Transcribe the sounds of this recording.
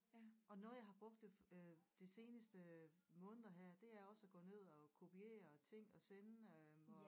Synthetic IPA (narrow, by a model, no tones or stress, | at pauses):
ʔɒ̽nɔ̽ːðˠjɑ̈ɪhɑ̈b̥ʁɔ̽ɡ̥̚d̥ed̥ise̝ːnəsd̥əmɔ̽ːnð̩ˠɐɦæɐ̰d̥e̝æɐɒ̽sæɡ̥ɔ̰̽ːne̝ð̞̰ˠɒ̽kʰo̝pʰie̝̰ːɐt͡sʰe̝ŋ̰ɒ̽senɒ